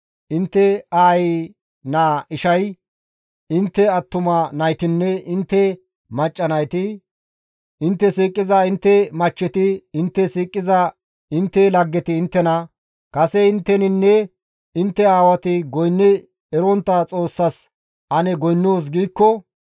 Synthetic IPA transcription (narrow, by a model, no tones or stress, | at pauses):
ʔɪnt̪ːɛaːj | naːɪʃɐj | ɪnt̪ːɛɐt̪ːʊmɐnɐjt̪ɪnːɛɪnt̪ːɛ | mɐt͡ʃʼːɐnɐjt̪ɪ | ɪnt̪ːɛsiːkʼːɪzɐɪnt̪ːɛmɐt͡ʃːɛt̪ɪɪnt̪ːɛsiːkʼːɪzɐ | ɪnt̪ːɛlɐɡːɛt̪ɪːnt̪ːɛnɐ | kɐsɛɪnt̪ːɛnɪnːɛ | ɪnt̪ːɛaːwɐt̪ɪɡɔjnːɪ | ɛɾɔnt̪ːɐt͡sʼo̞ːsːɐs | ʔɐnɛɡɔjnːoːs̬ɡiːkːɔ